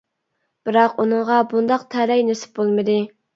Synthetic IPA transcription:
b̥ɪɾɑqunɨɴʁɑbund̪ɑqt̪ʰæɾɛjnesɪ̥p̚bolˠmɨd̪ɨ

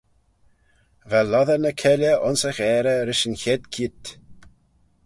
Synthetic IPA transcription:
vɛlːɔðənəkʰɛlʲjəʔɔnsəɣɛːɾəɾɪʃənçɛd̪kʰiːt̪

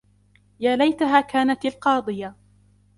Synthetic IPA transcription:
jaːlajt̪aɦaːkaːnat̪alqɑːd̪ˤɨja

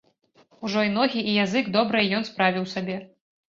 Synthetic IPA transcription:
uʐɔin̪ɔɣʲiʔijazɨɡd̪ɔbɾɨjɛjɔnspɾavʲiwsabʲɛ

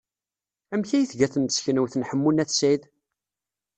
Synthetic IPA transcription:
æmçæjiθʝæθəməsçənuwθənħəmːunæθsið

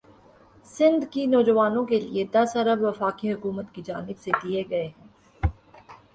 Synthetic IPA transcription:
sɪ̃nd̪kinɔːd͡ʒəʋaːnõkelḭed̪ɐsɐɾəbʋɐfaːkiɦʊkuːmət̪kid͡ʒaːnɪbsed̪ieɡɐeɦɛ̃ː

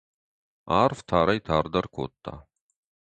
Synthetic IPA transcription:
aːrft̪ʰaːɾɐjt̪ʰaːrd̪ɐrkʰo̰ːt̪ʰːa̰

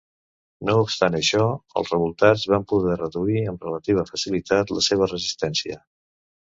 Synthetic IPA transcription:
noupst̪anəʃɔə̰lˠzrəβulˠt̪ad͡zβampuðɛrəðuiəmrələt̪iβ̞əfəsilit̪at̪ləseβ̞ərəzist̪ɛnsiə

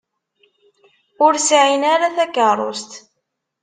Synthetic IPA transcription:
ʊɾsʕinaɾaθækːərˤo̰st̪

